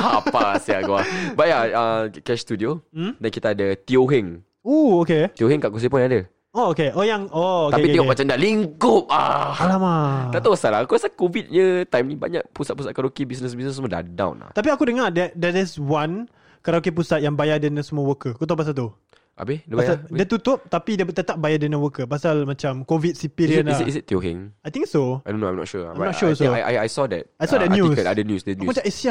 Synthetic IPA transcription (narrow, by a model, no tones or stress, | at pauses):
apasiakua̰baʔaəkɛʃst̪udiodankit̪aːdat̪ioɦɛŋ | uoket̪ioɦɛŋkaʔkus̬ipunada | ookeʔɔjaŋook̪aepit̪iŋɔʔmat͡ʃandaliŋkʊp̚a̰alamadat̪aasalaakuasakovit̪̚ɲə̃t̪ajmnĩba̰ɲa̰ʔ̚pusat̪̚pusat̪̚kaɾokibisnəs̬bisnəs̬əməda̰dã̰w̰nla̰ht̪ap̬iakudəŋardɛdɛɛswan | kaɾokep̬usat̪jaŋbajadənəsəmuəwəkəkut̪apːas̬alt̪u | ʔa̰beəpasaddət̪ut̪ʊp̚t̪apidət̪ət̪ap̚bajadənə̃wəkəpasalmãt͡ʃamkovit̚sipiɾiənlaisit̚t̪joɦɛ̰̃ŋajt̪ĩŋksoonoã̰jmnɔ̰tʃuaajmnɔtʃusoa̰ja̰jsɔdɛ̰t̚ajsɔdɛt̚njuiəadənjusdɛkuumat͡ʃãisia